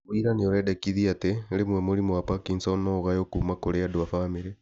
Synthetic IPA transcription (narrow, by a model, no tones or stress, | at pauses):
iɾanioɾedekiðiateɾemwemoɾimowapakinsonoɣajokumakoɾeadoafamiɾe